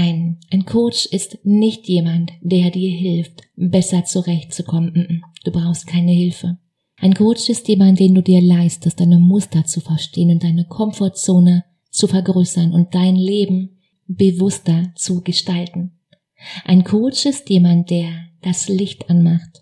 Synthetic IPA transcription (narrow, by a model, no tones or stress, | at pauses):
aɪnʔaɪnkʰoːt͡ʃɪstnɪçtjeːmantd̥eːɐdiːɐɦɪlftbɛsɐt͡suʁɛçtt͡sukʰɔmənm̩ʔm̩d̥uːbʁaʊxst̚kʰaɪnəhɪlfə | ʔaɪnkʰoːt͡ʃɪstjeːmantd̥eːnduːdiːɐlaɪstəstd̥aɪnəmʊstɐt͡sufɛɐʃteːənʊnt̚d̥aɪnəkʰɔmfɔɐt͡soːnə | t͡sufɛɐɡʁøːsɐnʊnt̚d̥aɪnleːbm̩ | b̥əvʊstɐt͡suɡəʃtaltn̩ | ʔaɪnkʰoːt͡ʃɪstjeːmant̚d̥eːɐd̥aslɪçtʔanmaχt